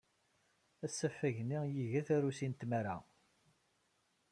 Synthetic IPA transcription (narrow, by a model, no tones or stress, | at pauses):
æsːəfːæʝnijiʝæθæɾusint̪mæɾa̰